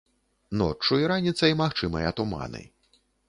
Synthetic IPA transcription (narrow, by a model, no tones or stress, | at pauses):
nɔ̰t͡ʂːuiɾanʲit̪sɐimaxt͡ʂɨmɐ̰jɐt̪uma̰nɨ̰j